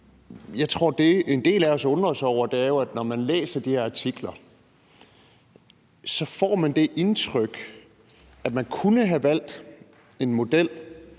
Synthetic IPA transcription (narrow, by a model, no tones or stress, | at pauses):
jɑ̈ɪt͡sʰʁo̝ɐ̰d̥e̝end̥e̝̰ːlæɒsɔ̽nd̥ʁɐsɒʊ̰ɐd̥e̝æɐjo̝æd̥nɒmænlḛːsɐd̥ihɛɐɑ̈t͡sʰiɡ̥lɐ | sɒ̽fɒ̰ːmænd̥e̝ʔe̝nt͡sʰʁœɡ̥ | æd̥mænkʰunəɦæʋæl̰d̥ | e̝nmo̝d̥el̰